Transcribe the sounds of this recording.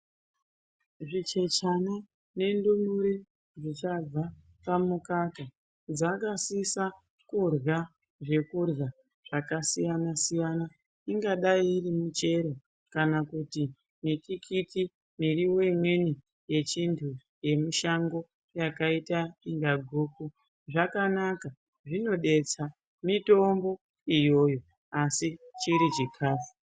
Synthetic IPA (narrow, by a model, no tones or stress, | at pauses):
ʐit͡ʃe̞t͡ʃana | ne̞ndumuɾe | ʐit͡ʃab͡va | pamukaka | d͡zakasisa | kurɣa | ʐe̞kurɣa | ʐ̥akasijanasijana | iŋɡaɗaiːrimut͡ʃe̞ɾo̞ | kanakuti | mikikʰiti | miriwo̞imwe̞ni | je̞t͡ʃintʰu | je̞miʃaŋɡo̞ | jakaitaiŋɡaɡʱuːku | ʐakanaka | ʐino̞ɗe̞t͡sa | mito̞mbo̞ | ijo̞ːjo̞ | asit͡ʃiɾit͡ʃikʰaːfu